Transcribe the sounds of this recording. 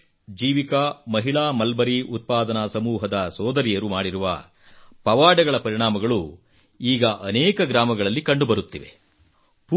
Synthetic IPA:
d͡ʒiːʋikɐmɐɦiɭaːmɐlbɐɾiʔut̪̚paːd̪ɐnɐsɐmuːɦɐd̪ɐsɔːd̪ɐɾijɐɾumaːɽiɾuʋɐ̰ | pɐʋaːɖɐɡɐɭɐpɐɾiɳaːmɐɡɐɭu | iːɡɐʔɐnɛːkɐɡɾaːmɐɡɐɭɐlːikɐɳɖubɐɾut̪ːiʋe̞̰ | p

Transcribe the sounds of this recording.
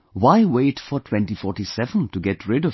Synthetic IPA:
waɪweɪtfə˞tʰw̥ɛ̃ntifɔɹtisɛvə̃ntuɡɛtʰɹɪɾʌ

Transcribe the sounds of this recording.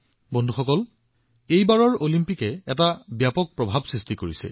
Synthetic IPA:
bondʱuxɔkɔl | ejbaɹɔɹolimpikɛɛtabjapɔk̚pɹɔbʱabsɹistikoɹisɛ̰

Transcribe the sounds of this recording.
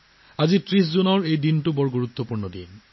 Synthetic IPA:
azitɹis̬zunɔɹejdintubɔɹɡuɹut̪ːopuɹnɔdḭn

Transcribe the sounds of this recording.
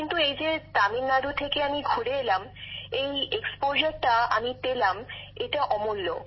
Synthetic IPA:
kint̪uejd͡ʑet̪aminːaɾut̪ʰekeamiɡʱuɽeelamejekspoʃaɾʈaa̰mit̪elameʈaʔɔmolːo̰

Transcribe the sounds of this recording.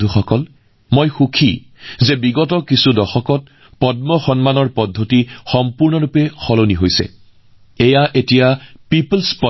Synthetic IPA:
uxɔkɔl | mojxukʰi | zebiɡɔtɔkisudɔxɔkɔt̚ | pɔdmɔxɔnmanɔɹpɔdʱːotixɔmpuɹnɔɹupɛxɔloniɦojsɛ̰ | ejaʔetijapiplspɔ

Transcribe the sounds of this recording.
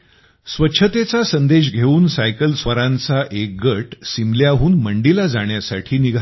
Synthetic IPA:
sʋətːɕʰət̪et͡sasənd̪eɕ̬ɡʱeuːnsajkəlsʋəɾãnt͡saʔek̚ɡəʈsimljaɦuːnməɳɖilad͡zaɳjasaʈʰiːniɡʱ

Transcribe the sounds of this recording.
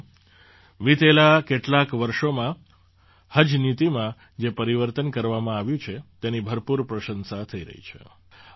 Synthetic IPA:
ʋit̪elakeʈlakʋəɾʃomã | həd͡ʒnit̪imã | d͡ʒepəɾiʋəɾt̪ənkəɾʋamãaʋjũt͡ʃʰet̪enibʱəɾpuɾpɾəʃənsat̪ʰəiɾə̰ɦḭt͡ʃʰḛ

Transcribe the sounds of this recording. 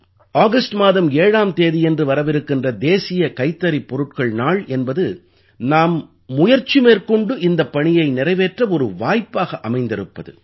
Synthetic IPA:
aːɣɐsʈmaːðɐmeːɻaːmt̪eːðɪɛndrɯʋɐɾɐʋɪɾɯkːɪndrɐd̪eːsɪjɐkɐɪt̪ːɐɾipːɔɾɯʈ̚kɐɭnaːɭɛnbɐðɯ | naːmː | ʊjɐɾt͡ʃimeːrkɔɳɖɯʔɪnd̪ɐpːɐɳɪjɐɪnɪɾɐɪʋeːʈrɐɔɾɯʋaːjpːaːɣɐʔɐmɐɪnd̪ɪɾɯpːɐðɯ̰

